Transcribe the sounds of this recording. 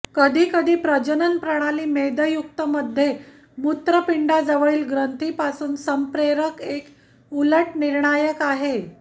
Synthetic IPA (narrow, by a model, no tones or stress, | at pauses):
kəd̪ʱiːkəd̪ʱiːpɾəd͡ʑənənpɾəɽ̃aliːmed̪əjuk̚t̪əməd̪ʱːje | mut̪ɾəpiɳɖad͡zəʋəɭiːlɡɾənt̪ʰiːpasuːnsəmpɾeɾəkek | uləʈniɾɳajəkaɦe